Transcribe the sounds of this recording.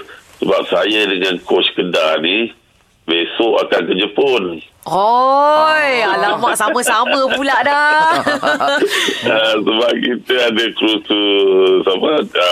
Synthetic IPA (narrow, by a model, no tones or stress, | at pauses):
səbap̚sajədəŋankɔskədani | besoʔakankəd͡ʒəpʊn | o | jalamaʔsamə̃saməpulaʔda | əsəbap̚kit̪əadəkɾutusamə